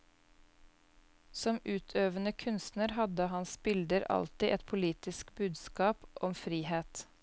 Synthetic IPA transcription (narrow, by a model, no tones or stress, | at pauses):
sɔmʉːt̪ʰøːʋənəkʰʉnst̪nəɾhɑd̪əhɑnsbɪld̪əɾɑ̰lt̪ɪʔɛt̪pʰʊliːt̪ɪskbʉːd̪skɑːpʔɔmfɾiːheːt̪